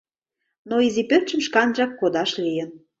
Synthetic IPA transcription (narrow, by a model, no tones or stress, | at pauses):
noizipørt͡ɕə̆mʃkɑnʒɑkːod̪ɑʃlijə̆n